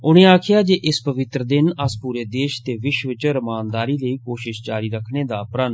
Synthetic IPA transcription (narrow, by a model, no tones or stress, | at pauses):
ʊɽ̃ẽːaːkʰɪjaːd͡ʒeːʔɪspəʋɪt̪ɾəd̪ɪnəspuːɾeːd̪eːʃt̪eːʋɪʃʋɪt͡ʃɾəmaːnd̪aːɾiːləiːkoːʃɪʃt͡ʃaːɾiːɾəkʰneːd̪aːpɾən